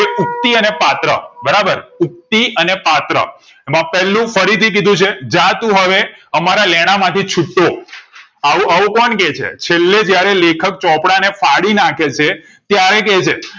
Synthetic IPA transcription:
eʊk̚t̪iənepat̪ɾə̰bəɾabəɾʊk̚t̪iənepat̪ɾə̰ | emãpɛlːũfəɾit̪ʰik̬id̪ʱũt͡ʃʰed͡ʒãt̪ũɦəʋeəmaɾalɛɽ̃amãt̪ʰit͡ʃʰuʈːo | aũəũkɔɳket͡ʃʰḛt͡ʃʰelːed͡ʒjaɾelekʰək̚t͡ʃɔpɽanefaɽinakʰet͡ʃʰe | t̪jaɾek̬et͡ʃʰe

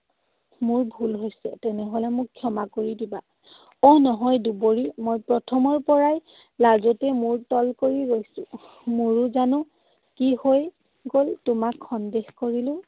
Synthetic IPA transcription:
mʊɹbʱulɦojsɛtɛnɛɦolɛmʊkkʰːjɔmakoɹidiba | ɔnɔɦɔjduboɹimojpɹɔtʰɔmɔɹpɔɹaj | lazɔtɛmʊɹtɔlkoɹiɹojsʊ̃ | mʊɹʊzanʊ̃ | kihoj | ɡoltʊmakʰxɔndexkoɹilʊ̃

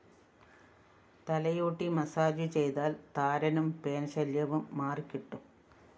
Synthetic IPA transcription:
t̪ɐlɐjoːʈːimɐsaːd͡ʑut͡ɕe̞jt̪aːlt̪aːɾɐnumpe̞ːnɕɐljɐʋumːaːrkʲːiʈːum

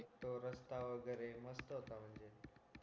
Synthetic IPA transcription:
kt̪oɾəst̪aʋəɡəɾeməst̪əɦot̪am̤əɳd͡ʑe

